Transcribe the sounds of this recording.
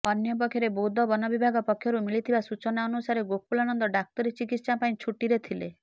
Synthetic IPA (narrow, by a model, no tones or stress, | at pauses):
ɔnjɔp̬ɔkʰːjɔɾebod̪ʱɔbɔnɔbibʱaɡɔpɔkʰjɔɾumiɭit̪ʰibasut͡ʃɔnaɔnusaɾeɡok̚pulanɔnd̪ɔɖak̚t̪ɔɾit͡ʃikit̪sapaĩt͡ʃʰuʈiɾet̪ʰile